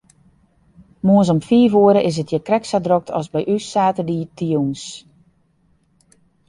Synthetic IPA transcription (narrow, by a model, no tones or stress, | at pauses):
moənsɔmfiːfoəɾəʔɪs̬ətjəkrɛksadrok̚tʰɔ̰sbɛjʔysaːtədiːtijuns